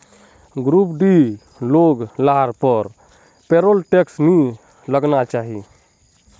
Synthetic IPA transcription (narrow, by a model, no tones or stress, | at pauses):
ɡɾupɖi | loɡlaɾpəɾ | peɾolʈeksni | ləɡnat͡ʃaɦi